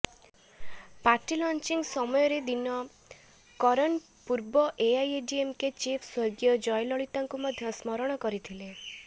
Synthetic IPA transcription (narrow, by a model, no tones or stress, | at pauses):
paɾʈilɔnt͡ʃiŋsɔmɔjɔɾed̪inɔ | kɔɾɔn | puɾbɔʔeajeɖiemket͡ʃipʰswɔjɡjɔd͡ʒɔjlɔɭit̪aŋkumɔd̪ʱjɔsmɔɾɔɽ̃ɔkɔɾit̪ʰile